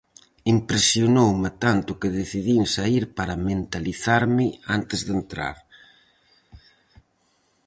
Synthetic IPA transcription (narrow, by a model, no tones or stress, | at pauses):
impɾesjonowmɪt̪ant̪ʊkɪð̞eθiðinsaiɾpaɾament̪aliθaɾmɪant̪ezðent̪ɾa̰ɾ